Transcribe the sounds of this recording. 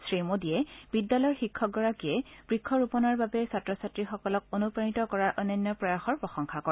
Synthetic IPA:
sɹimodijɛb̥idːalɔjɹxikʰːɔk̚ɡɔɹakiɛb̥ɹikʰːɔɹupɔnaɹbabɛsatɹɔsatɹixɔkɔlɔk̚onupɹanitɔkɔɹaɹʔɔnɔnːɔpɹɔjaxɔɹpɹɔxɔŋxʰakɔ

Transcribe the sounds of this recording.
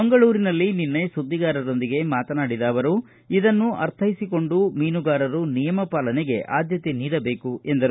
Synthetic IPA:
ɐŋɡɐɭuːɾinɐlːininːɐjsud̪ːiɡaːɾɐɾo̞nd̪iɡe̞maːt̪ɐnaːɽid̪aːʋɐɾu | id̪ɐnːuʔɐ̰ɾt̪ʰɐjisiko̞ɳɖumiːnuɡaːɾɐɾunijɐmɐpaːlɐneɡe̞ʔa̰ːd̪ʱjɐt̪eniːɽɐbe̞ːkuʔe̞nd̪ɐɾu

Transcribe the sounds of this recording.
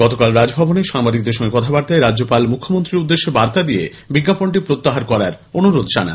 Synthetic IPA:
ɡ̥ɔt̪okalɾad͡ʑbʱɔboneʃaŋbad̪ik̚d̪eɾʃɔŋɡekɔt̪ʰabaɾt̪aeɾadd͡ʑopalmukʰːomont̪ɾiɾud̪ːeʃːebaɾt̪ad̪ijḛ | biɡːapoɳʈipɾot̪ːaɦaɾkɔɾaɾ | onuɾod̪d͡ʑana̰n

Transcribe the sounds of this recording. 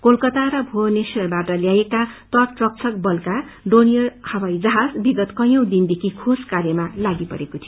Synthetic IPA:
kolkʌt̪aɾʌbʱonesʌrbaʈʌljajekat̪ʌʈrʌk̚t͡sʰʌk̚bʌlka | ɖonijʌrhʌwajd͡zʌɦad͡zbiɡʌt̪kʌj̃ʌ̃w̃d̪ind̪ekʰikʰoskaɾjʌmalaɡipʌ̰ɾekot̪ʰijo

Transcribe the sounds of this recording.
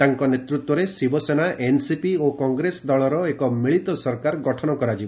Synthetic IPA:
t̪aŋkɔnet̪ɾut̪wɔɾesibɔsenaʔensipiokɔŋɡɾesd̪ɔɭɔɾɔekɔmiɭit̪ɔsɔɾkaɾɡɔʈʰɔnɔkɔɾad͡ʒibɔ

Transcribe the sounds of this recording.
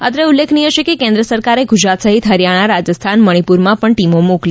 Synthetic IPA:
at̪ɾəulːekʰniɦəʃekekẽnd̪ɾəsəɾkaɾeɡud͡ʒɾat̪səɦit̪ɦəɾjaɽ̃aɾad͡ʒəst̪ʰanməɽ̃ipuɾmãpəɳʈimomokli

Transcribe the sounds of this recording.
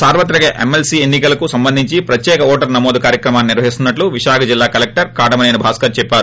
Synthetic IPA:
saːɾʋɐt̪̬ːɾɐɡɐʔḛmelsienːikɐlɐkusɐmbɐnd̪ʱiɲt͡ʃipɾɐt̪jɛːkɐɔːʈɐɾnɐmoːd̪ukaːɾjɐkɾɐmaːnːiniɾʋɐɦist̪unːɐʈluʋiʃaːkʰɐd͡ʒilːaːkɐlek̚ʈɐɾkaːʈɐmɐnɐjnɐbʱaːskɐɾt͡ʃɛpːaːɾu

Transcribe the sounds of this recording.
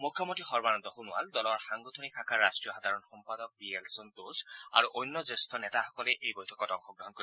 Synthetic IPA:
mukʰːjɔmontixɔɹbanɔnd̪ɔxunʊa̰ld̪ɔlɔɹxaŋɡot̪ʰonikʰakʰaɹːastɹijɔxad̪ʱaɹɔnxɔmpad̪ɔk̚bielsɔnt̪osa̰ɹuʔojnːɔzest̪ʰɔnɛt̪axɔkɔlɛʔejbojtʰɔ̥kɔtɔŋxɔɡɹɔɦɔnkoi

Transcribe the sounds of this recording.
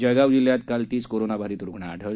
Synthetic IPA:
d͡ʑəɡawd͡ʑiljat̪kalt̪iːskoɾonabʱaɾiːt̪ɾukɳaːʈʰə

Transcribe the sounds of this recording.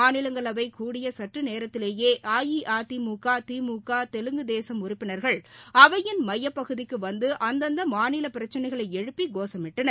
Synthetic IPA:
aːnɪlɐŋɡɐɭɐʋɐɪkuːɽɪjɐsɐʈrɯneːɾɐt̪ːɪleːjeːʔaːjiʔaːt̪imuːkaːt̪iːmuːkaːt̪ɛlɯŋɡɯd̪eːsɐmʊrɪpːɪnɐɾɣɐɭɐʋɐjɪnmɐjːɐpːɐɣɯðɪkːɯʋɐnd̪ɯʔɐnd̪ɐnd̪ɐmaːnɪlɐpɪɾɐt͡ʃːɐnɐɪɣɐɭɐɪɛɻɯpːiɡoːsɐmɪʈːɐnɐɾ

